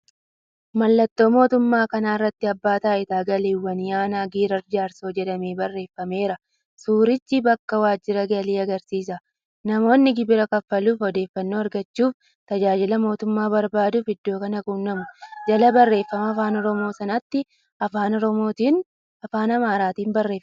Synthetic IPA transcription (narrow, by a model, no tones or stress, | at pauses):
mɐlːɐt̪ːo̞ːmo̞ːt̪ʊmːaːkɐnaːɪrːɐt̪ːɪɐbːaːt̪aːʔɪt̪aːɡɐleːwːɐnɪjaːnaːɡiːɾɐɾd͡ʒaːɾso̞ːd͡ʒɛᶑɐmeːbɐrːe̞ːfːɐme̞ːɾɐ | suːɾɪt͡ʃːibɐkːɐwaːd͡ʒːɪɾɐɡɐliːɐɡɐɾsiːs̬ɐ | nɐmo̞ːnːɪɡɪbɪɾɐkɐfːɐluːfɔd̪e̞ːfːɐnːoːɐɾɡɐt͡ʃːuːf | t̪ɐd͡ʒaːd͡ʒɪlɐmo̞ːt̪ʊmːaːbɐɾbaːd̪ʊfhɪd̪ːo̞ːkɐnɐɡuːnːɐmʊd͡ʒɐlɐbɐrːe̞ːfːɐmɐːfaːnɔɾɔmo̞ːsɐnɐt̪ːɪ | ɐfaːnɔɾɔmo̞ːt̪iːn | ɐfaːnɐmaːɾaːt̪iːnbɐrːe̞ːfɐ